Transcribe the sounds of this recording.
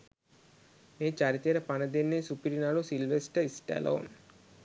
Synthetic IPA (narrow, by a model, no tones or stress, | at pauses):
meːt͡ʃaɾit̪jɾəpanəd̪enːesupiɾinaɭusilʋesʈəisʈɛ̰lʔo̰ːn